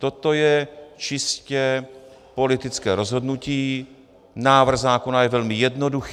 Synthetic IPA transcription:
t̪o̞t̪o̞jɛt͡ʃɪscɛ | po̞lɪt̪ɪt͡skɛ̰ːɾo̞zɦo̞dnuciː | naːvr̩ɣzaːko̞najɛvɛlmɪjɛdno̞dux

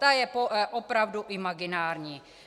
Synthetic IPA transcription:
t̪ajɛpoʔopɾavduʔɪmaɡɪnaːɾɲiː

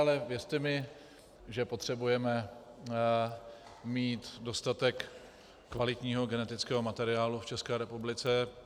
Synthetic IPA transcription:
alɛvjɛrt̪ɛmɪ | ʒɛpo̞t̪r̝̥ɛbujɛmɛ | miːt̪do̞st̪at̪ɛkː | valɪt̪ɲiːɦo̞ɡɛnɛt̪ɪt͡skɛːɦo̞mat̪ɛɾɪaːluft͡ʃɛskɛːɾɛpublɪt͡sɛ

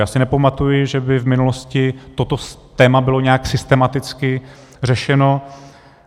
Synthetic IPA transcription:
jaːsɪnɛpamat̪ujɪʒɛbɪvmɪnuloscɪt̪o̞t̪ot̪ɛːmabɪlo̞ɲɛaksɪst̪ɛmat̪ɪt͡skɪ | r̝ɛʃɛno̞

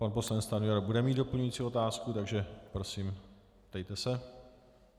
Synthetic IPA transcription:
panpo̞slanɛt͡st̪anujɛɾbudɛmiːd̪do̞pl̩ɲujiːt͡sio̞t̪aːskut̪aɡʒɛpɾo̞siːm | pt̪ɛjt̪ɛsɛ

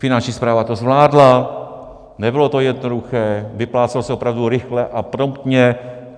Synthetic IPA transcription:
fɪnant͡ʃɲiːspɾaːvat̪ozvlaːdla | nɛbɪlo̞t̪o̞jɛdnoduxɛːvɪplaːt͡sɛlosɛopɾavduɾɪxlɛʔapɾomt̪ɲɛ

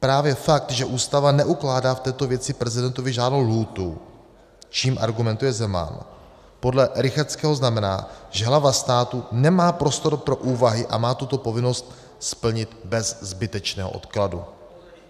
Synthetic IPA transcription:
pɾaːvjɛfak̚t̪ʒɛʔuːst̪avanɛʔuklaːdaːft̪ɛːt̪ovjɛt͡sɪpɾɛzɪdɛnt̪ovɪʒaːdnowluːt̪u | t͡ʃiːmʔa̰ɾɡumɛnt̪ujɛzɛma̰n | po̞dlɛɾɪxaɾt͡skɛːɦoznamɛna̰ːʒɛɦlavast̪aːt̪unɛmaːpɾo̞st̪o̞ɾpɾo̞ʔuːvaɦɪʔa̰maːt̪ut̪o̞po̞vɪno̞st̪ | spl̩ɲɪt̪bɛzzbɪt̪ɛt͡ʃnɛːɦo̰ʔo̞̰t̪kladṵ

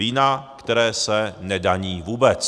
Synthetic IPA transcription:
iːnakt̪ɛɾɛːsɛnɛdaɲiːvuːbɛt͡s

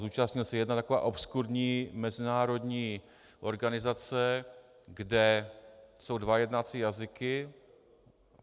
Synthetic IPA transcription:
zuːt͡ʃastɲɪlsɛjɛdnat̪ako̞va̰ːʔo̞pskuɾɲiːmɛzɪnaːɾo̞dɲiː | ʔo̞ɾɡanɪzat͡sɛ | ɡdɛ | so̞wdvajɛdnat͡siːjazɪkɪ

